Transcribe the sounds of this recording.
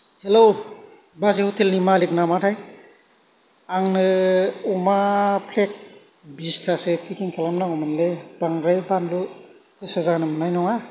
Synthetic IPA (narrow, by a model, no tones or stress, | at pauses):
helow | bazehutʰelnimalik̚namatʰaj | aŋnɯumapʰlek̚ | bistʰasepʰikiŋkʰelamnaɔmɯnleb̥aŋɾajbanlu | kɯsɔzanɯmɯnajnɔŋa